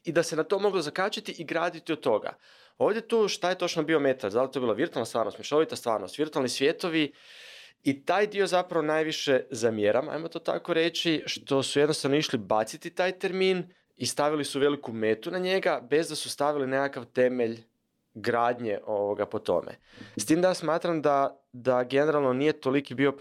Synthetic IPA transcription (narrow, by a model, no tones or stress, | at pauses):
id̪ase̞nat̪o̞mo̞ɡlozakat͡ʃat̪iʔiɡɾaːd̪it̪iod̪t̪ːo̞ɡa̰ | o̞ːʋd̪je̞t̪uʃt̪aje̞t̪o̞t͡ʃnobio̞me̞t̪aɾd̪alit̪o̞biːlˠaʋiɾt̪ualnast̪ʋaːɾnost̪miʃoʋit̪ast̪ʋa̰ːɾnost̪ʋiɾt̪ualnisʋjet̪o̞ʋi | it̪aːjd̪io̞zapɾaʋonaːjʋiʃe̞zamjeɾama̰jmo̞t̪o̞ːt̪a̰ko̞ɾe̞t͡ɕiʃt̪o̞sujed̪nost̪aʋnoiʃlibat̪sit̪it̪aːjt̪e̞ɾmiːn | ist̪aʋilisuʋe̞likume̞ːt̪unaɲe̞ɡabe̞zd̪asu̥st̪aʋilinekakaʋt̪e̞me̞ʎ | ɡɾaːd̪ɲeʔo̞ʋoɡapo̞t̪o̞̰mḛ | st̪iːmd̪ajasmaːt̪ɾamd̪a | d̪aɡe̞neɾalˠnonije̞t̪o̞likibio̞